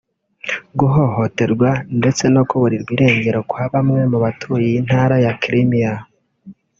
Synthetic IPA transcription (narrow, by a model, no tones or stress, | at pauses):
ɡuɦo̞ho̞te̞ɾɡwande̞t͡se̞no̞kuβuɾiɾɡwiɾe̞ːɲɟe̞ɾo̞kwaːβamŋe̞muβatʰujiin̥haɾajakɾimija